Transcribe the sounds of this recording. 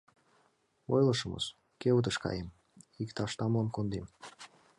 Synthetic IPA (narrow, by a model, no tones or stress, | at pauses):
ojləʃə̆mə̰ʃ | kewt̪əʃkɑ̰jem | ikt̪ɑʃt̪ɑmlonkond̪em